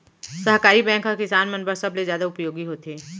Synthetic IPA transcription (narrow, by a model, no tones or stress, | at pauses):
sɐɦkaːɾibɛ̃ːŋkɦɐkɪsaːnmɐnbəɾsɐblezjaːd̪aʊpjoːɡiɦoːt̪eː